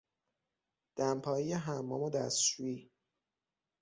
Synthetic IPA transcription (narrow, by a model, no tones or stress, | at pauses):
d̪̥æmpʰɒːijeɦæmːɒːmod̪æst͡ʃuiː